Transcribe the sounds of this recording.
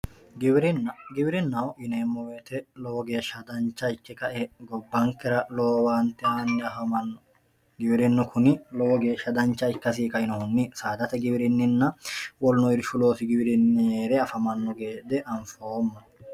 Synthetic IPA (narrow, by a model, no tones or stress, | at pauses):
ɡɪbɪɾɪnːɐɡɪbɪɾɪnːɐwʔɪneːmːɔweːt̪ɛlɔwɔɡe̞ːʃɐd̪ɐnt͡ʃːɐɪkːɛkɐʔɛɡɔbːɐŋkːɛɾɐloːwaːnt̪ːɛaːnːɛɐfɐmɐnːɔ | ɡɪbɪɾɪnːɔkʰʊnɪlɔwɔɡeːʃːɐd̪ɐnt͡ʃːɐɪkːɐsiːkɐɪnɔhʊnːisaːd̪ɐt̪ɛɡɪbɪɾɪnːɪnːɐwɔlnɔɪɾʃʊlo̞ːsɪɡɪbɪɾɪnːeːɾɛɐfɐmɐnːɔɡe̞ːd̪ɛʔɐɱfoːmːɐ